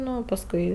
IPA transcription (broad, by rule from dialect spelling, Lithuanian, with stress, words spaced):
ˈnʊ pɐsˈkʊɪ